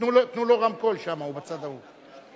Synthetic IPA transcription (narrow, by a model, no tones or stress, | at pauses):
nulot̪nuloʁamko̞lʃamaubat͡sad̪avu